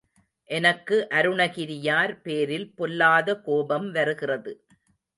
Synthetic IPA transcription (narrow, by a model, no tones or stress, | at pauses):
ʔɛnɐkːɯʔɐɾɯɳɐɣɪɾɪjaːɾpeːɾɪlpɔlːaːðɐkoːbɐmʋɐɾɯɣɪrɐðɯ